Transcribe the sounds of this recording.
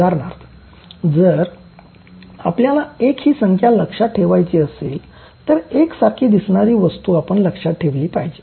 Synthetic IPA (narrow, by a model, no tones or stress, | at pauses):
aɾɳaɾt̪ʰ | d͡zəɾ | a̰pljalaekhiːsəŋkʰjaləkʂaʈʰeʋajt͡ɕiːəsel | t̪əɾeksaɾkʰiːd̪isɳaɾiːʋəst̪uːapəɳləkʂaʈʰeʋliːpajd͡ʑiː